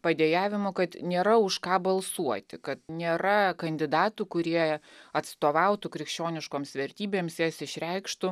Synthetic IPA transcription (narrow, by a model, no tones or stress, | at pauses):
pɐd̪ʲejæːʋʲɪmʊkɐt̪nʲeːɾɐʊʃkɑːbɐlˠsuɔt̪ʲɪkɐt̪nʲeːɾɐkɐnʲd̪ʲɪd̪ɑːt̪ukʊɾʲiɛɐt̪st̪oːʋɐʊt̪ʊkɾʲɪkʃʲt͡ʃʲoːnʲɪʃkoːmsʋʲɛɾʲt̪ʲiːbʲeːmsjæːsɪʃʲɾʲɛɪkʃt̪ʊ